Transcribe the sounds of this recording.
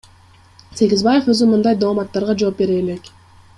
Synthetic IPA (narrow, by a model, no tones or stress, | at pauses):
se̞ɡʲizbaje̞fø̞zymɯnd̪ɑjd̪oːmɑt̪ːɑɾʁɑd͡ʒo̞ːp̚be̞ɾe̞ːle̞k